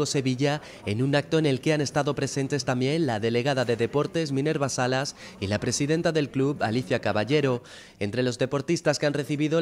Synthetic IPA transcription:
o̞se̞βiʝa | e̞nunak̚t̪o̞ene̞lke̞ane̞st̪aðo̞pɾe̞sẽ̞nt̪e̞st̪ambje̞nlaðe̞le̞ɣ̞aðaðe̞ðe̞po̞ɾt̪e̞zmĩne̞ɾβasalas | ilapɾe̞siðe̞nt̪aðe̞lkluβa̰liθjakaβaʝe̞ɾo̞ | e̞nt̪ɾe̞lo̞zðe̞po̞ɾt̪ist̪askeanre̞θiβiðo̞

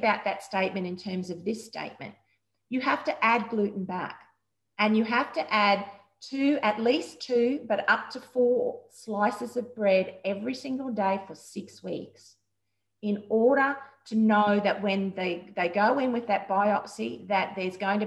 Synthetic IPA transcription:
baʊt̪̚ðɨtsteɪt̚mɨ̃ɾ̃ɨ̃ntʰɜ̃˞mzʌvðɪstḛɪt̚mɨ̰̃n | ɨɦæftɨʔæd̚ɡlʉʔn̩bæ̰k | ɨ̃njɨɦæftɨʔæd̚ | tʰʉɨtˡlistʰʉbʌɾʌp̚tʰɨfɔɹslaɪsɨzʌvbɹɛɾɛvɹisɪ̃ŋɡl̩ˠdeɪfə˞sɪkswḭks | ɨ̃nɔɹɾə˞ɾɨnoʊðɨʔ̚wɨ̃nðeɪðeɪɡoʊɪ̃nwɨðɨt̚b̥aɪɑksiðɨt̪̚ðə˞zɡoʊɪ̃ŋtʰɨ

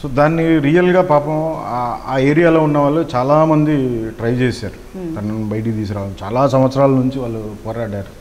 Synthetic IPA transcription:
soːd̪aːnːiɾiːjɐlɡaːpaːpɐmaːe̞ːɾijaːlo̞ːunːɐʋaːɭːut͡ʃaːlaːmɐnd̪iʈɾɐjt͡ʃeːsaːɾu | t̪ɐnɐnbɐjɐʈ̬it̪iːs̬ɐɾaːʋɐnt͡ʃa̰ːlaːsɐm̃ʋɐt̪sɐɾaːlɐnuɲt͡ʃiʋaːɭːupɔːɾaːɽaːɾu

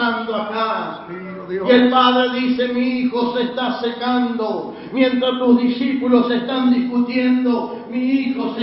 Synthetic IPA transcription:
and̪oaka | ielpaðɾeðise̞miixosest̪asekand̪o | mjẽ̞nt̪ɾast̪uzðisipulosest̪and̪iskut̪jend̪o | miixos

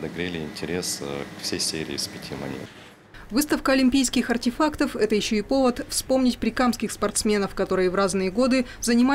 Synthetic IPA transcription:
d̪ɐɡɾʲelʲɪɪnʲtʲɪɾʲeskfsʲejsʲeɾʲɪ̰ːspʲɪtʲʰimɐ̰nʲḛ | vɨst̪əfkəɐlʲɪmʲpʲijskʲɪxɐrtʲɪfakt̪əfɛt̪əjɪɕːoɪpo̞vət̪fspo̞mnʲɪtʲpɾʲɪkamskʲɪxspɐrt̪smʲe̞nəfkɐt̪o̞ɾɨjəvraznɨjəɡo̞d̪ɨzənʲɪma

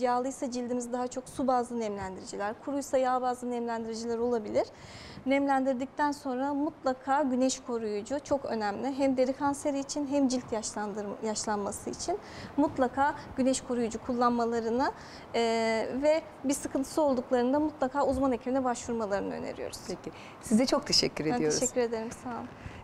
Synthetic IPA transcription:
jaːlˠɯjsad͡ʒilʲd̪imizd̪aɦat͡ʃʰo̞ksubaːzˠɯnɛmlʲænd̪iɾid͡ʒilʲæɾkʰuɾujsajaːbaːzˠɯnɛmlʲænd̪iɾid͡ʒilʲæɾo̞lˠabilʲiɾ̥ | nɛmlʲænd̪iɾd̪ic̚t̪ʰænso̞nɾamut̪lˠakʰaːɟynɛʃkʰo̞ɾujud͡ʒut͡ʃʰo̞kø̞̰næmlʲɪɦæmd̪e̞ɾikʰanse̞ɾiːt͡ʃʰinɦæmd͡ʒilʲt̪ʰjaʃlˠanmasɯit͡ʃʰin | mut̪lˠakʰaːɟ̥ynɛʃkʰo̞ɾujud͡ʒukʰulˠːanmalˠaɾɯnɯ | vɛ | bisɯkʰɯnt̪ʰɯsɯo̞lˠd̪uklˠaɾɯnd̪amut̪lˠakʰaːuzmane̞cʰibinɛbaʃvuɾmalˠaɾɯnɯø̰nḛɾḭjo̰ɾu̥̰z̥ʰeci | sizd̪ɛt͡ʃʰok̚t̪ʰeʃɛ̰cʰːyɾedænij̪ʰɾʃɛcʲːyɾe̞d̪e̞ɾimsanˠ

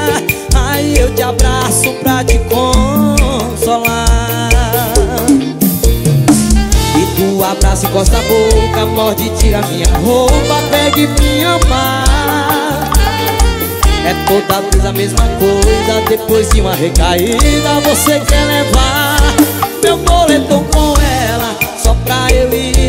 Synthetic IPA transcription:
aiewt͡ʃ̪ɪabɾasʊpɾɐt͡ʃɪkõ | sola | ɪt̪uabɾasɪkɔst̪abokɐmɔɾd͡ʒɪt͡ʃiɾɐmĩɲɐɦowpɐpɛɡɪmĩɲɐma | ɛt̪od̪azvezɐmezmɐkojzɐd̪epojzdɪũmɐɦekaid̪ɐvosekɛleva | mewmolet̪okõɛlɐsɔpɾaewi

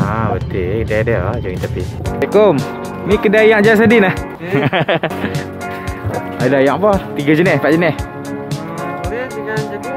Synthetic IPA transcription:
abət̪idadəd͡ʒoit̪api | ɛʔkom | mikədajaŋʔd͡ʒas̬adinah | adajaʔpɔt̪iɡad͡ʒənɛspaʔd͡ʒənɛh

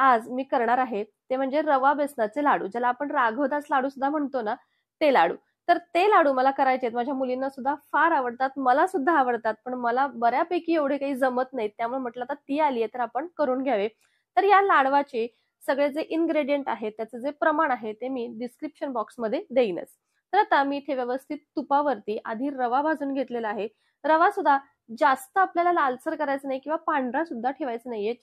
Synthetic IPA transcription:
ad͡zmiːkəɾɳaɾaɦet̪em̤əɳd͡zeɾəʋabesɳat͡selaɽṵːd͡ʑalaːpəɳɾaɡʱəd̪at͡slaɽuːsud̪ʱːam̤əɳt̪ona | t̪elaɽṵː | t̪əɾt̪elaɽuːməlakəɾajt͡set̪mad͡ʑʱjamulinːasud̪ʱːafaɾaʋəɽt̪at̪məlasud̪ʱːaːʋəɽt̪at̪̚pəɳməlabəɾjapəkiːeʋɽ̤ekaɦiːd͡zəmət̪naɦit̪jamuɭem̤əʈlat̪at̪iːaliːjet̪əɾapəɳkəɾuːnɡʱjaʋe | t̪əɾjalaɽʋat͡ɕe | səɡɭed͡zeʔinɡɾeɽijeɳʈaɦet̪ːjat͡səd͡zepɾəmaɳ̃aɦet̪emiːɖiskɾipɕənbɔksməd̪ʱːjed̪ejnə̰t͡s | t̪əɾt̪amiːt̪ʰeʋjəʋəst̪ʰit̪ːupaʋəɾt̪iːʔa̰d̪ʱiːɾəʋabʱad͡zuːnɡʱet̪leləaɦe | ɾəʋasud̪ʱa | d͡zast̪əapljalalalsəɾkəɾajt͡sənaɦikĩw̃ʋapaɳɖɾãsud̪ʱːaʈʰeʋajt͡sənaɦiet͡ɕ

